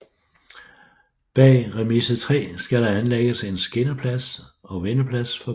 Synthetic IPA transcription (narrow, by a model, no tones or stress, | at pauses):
b̥ɛ̰ːʁɛmisət͡sʰʁɛ̰ːsɡ̥æɾ̥ɑ̈ænleɡ̥əse̝nsɡ̥e̝nɐpʰlæsɒ̽ʋenəpʰlæsfɒ̽